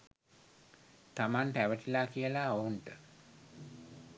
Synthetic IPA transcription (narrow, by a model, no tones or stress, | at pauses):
t̪amanʈæʋəʈilakijəlaounʈə